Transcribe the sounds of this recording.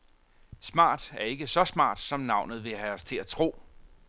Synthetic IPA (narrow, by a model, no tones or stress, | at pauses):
smɑ̰̈ːd̥æɐe̝ɡ̥əsɒ̽smɑ̰̈ːd̥sɒ̽mnɑ̈ʊ̰nð̩ˠʋe̝ɦæɒst͡sʰe̝læt͡sʰʁo̝̰ː